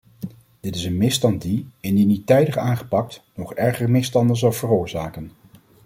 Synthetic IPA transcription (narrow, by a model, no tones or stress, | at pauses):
d̥ɪtɪsənmɪstɑntdiɪndinitɛjdəχaːnχə̥pɑk̚tnɔχɛɹχərmɪstɑndənzɑlˠvərʊːɹzaːkən